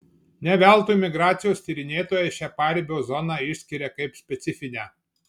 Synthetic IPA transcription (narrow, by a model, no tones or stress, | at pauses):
nʲɛʋʲɛˑlˠt̪umʲɪɡɾɑːt̪sʲɪjoːsʲt̪ʲiːɾʲɪnʲeːt̪oːjɛʃʲæːpɑːɾʲɪbʲoːzɔnɑɪʃʲsʲkʲɪɾʲɛkɐɪpsʲpʲɛt̪sʲɪfʲɪnʲæː